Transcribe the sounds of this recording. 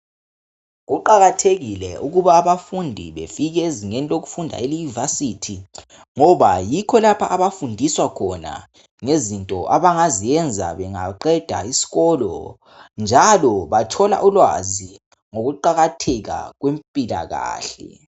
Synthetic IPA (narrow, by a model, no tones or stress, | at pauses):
ɣuǃaɣatʰeɣilɛʔuɣuβaːβafundʱiβefiɣɛeziŋeniloɣufundʱa̰elunivasitʰi | ŋɔβajikʰɔlapʰaʔːβafundʱiswakʰɔna̰ | ŋezintʼɔʔaβaŋazijɛnd͡zʱa̰βɛŋa̰ǃɛd̥ʱa̰isi̥ɣɔlɔ̰ | nd͡ʒʱalɔβatʰɔla̰ʔulwa̰zi | ŋoɣuǃaɣatʰɛɣa̰ɣwempʼila̰ɣa̰ːɬɛ̰